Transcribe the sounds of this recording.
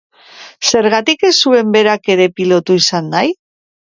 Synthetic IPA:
se̞ɾɣat̪ike̞sue̞mbe̞ɾake̞ɾe̞pilo̞t̪uisanːaj

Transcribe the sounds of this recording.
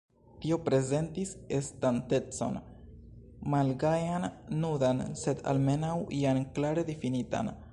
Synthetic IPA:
tio̞pɾe̞ze̞ntise̞stante̞t͡so̞̰n | malɡajanːudanse̞da̰lme̞nawʔianklaɾe̞difinita̰n

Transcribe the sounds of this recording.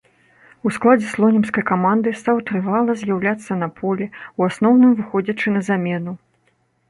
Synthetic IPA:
usklˠad͡zʲɛslˠɔnʲɛmskɐjkamand̪ɨst̪awt̪ɾɨvalˠɐzʲjawlʲat̪sːɐnɐpʰɔlʲɛwasnɔwnɨmvɨxɔd͡zʲɐt͡ʂɨnɐzamʲɛnu

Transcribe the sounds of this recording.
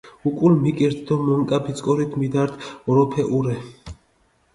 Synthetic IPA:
ukʼulmikʼiɾt̪ʰd̪ɔmɔŋkʼabit̪sʼkʼɔɾit̪ʰmid̪aɾt̪ʰɔɾɔpʰɛʔuɾɛ

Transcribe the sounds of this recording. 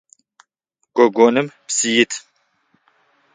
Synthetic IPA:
ɡ̥ɔɡonɨmpsijit̪ʰ

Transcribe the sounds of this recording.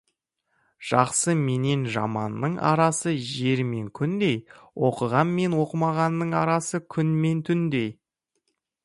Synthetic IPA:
ʒ̥ɑqsəme̞ne̞nʒɑ̰mɑnːəɴɑ̰ɾɑsəʒe̞ɾme̞ŋkʲʰʏnd̪e̞jwo̞qəʁɑnme̞nwo̞qəmɑʁɑnːəɴɑɾɑsəkʲʰʏnme̞nt̪ʰʏnd̪e̞j

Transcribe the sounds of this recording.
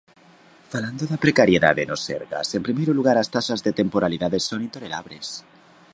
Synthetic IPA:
faland̪oðapɾekaɾjeða̰ðenosḛɾɣa̰sempɾimejɾoluɣ̞aɾast̪aʃazðet̪empoɾaliðaðesonĩnt̪onela̰βɾes

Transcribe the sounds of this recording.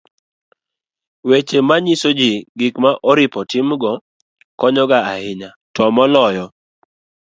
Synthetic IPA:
wet͡ʃemaɲisod͡ʒiɡɪkmaʔɔɾɪpɔtɪmɡɔ | kɔɲɔɡaahɪɲatɔmɔlɔjɔ

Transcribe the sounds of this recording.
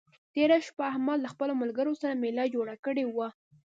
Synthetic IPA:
t̪eɾaʃpaahmɑllaxpəlomalɡəɾosaɾamelɑd͡ʒoɽakəɽewa

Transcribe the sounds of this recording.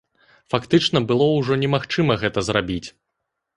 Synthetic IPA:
fakt̪ɨt͡ʂnɐbɨlˠɔwʐɔnʲɛmaxt͡ʂɨmɐɣɛt̪ɐzrabʲit͡sʲ

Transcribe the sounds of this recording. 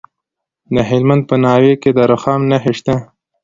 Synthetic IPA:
d̪əɦɪlmand̪̚pənɑːweked̪əɾʊxɑːmnaɦeʃt̪a

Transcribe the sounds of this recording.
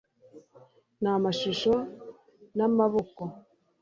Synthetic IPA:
namaʃiʃo | namaβoko

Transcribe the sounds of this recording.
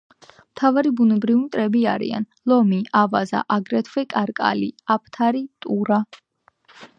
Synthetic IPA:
mt̪ʰavaɾibunɛbɾivit̪ʼɾɛbiaɾḭa̰n | lɔmiavaza̰ʔaɡɾɛt̪ʰvɛkʼaɾkʼa̰liapʰt̪ʰaɾit̪ʼuɾa

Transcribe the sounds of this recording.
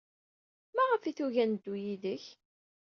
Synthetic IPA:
mæʁəfiθuʝænd̪ːujiðəç

